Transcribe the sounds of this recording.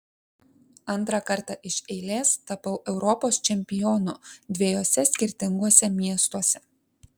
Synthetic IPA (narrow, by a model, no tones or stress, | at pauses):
ɐnˑt̪ɾɑkɐɾt̪ɑʔɪʃɛɪlʲeːst̪ɐpɐʊʔɛʊɾɔpoːst͡ʃʲɛmʲpʲɪjɔnʊd̪ʲʋʲɛjoːsʲɛsʲkʲɪɾʲt̪ʲɪŋɡuɔsʲɛmʲiɛst̪uɔsʲɛ